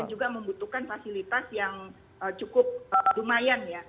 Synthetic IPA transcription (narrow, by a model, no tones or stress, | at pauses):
and͡ʒuɡaməmbut̪uhkanfasilit̪asjaŋ | ət͡ʃukʊp̚ədumajanja